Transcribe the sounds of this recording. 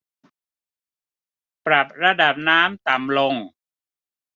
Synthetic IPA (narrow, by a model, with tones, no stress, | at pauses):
pɾa˨˩p̚ɾa˧da˨˩p̚naː˦˥mt̪a˨˩mlo˧ŋ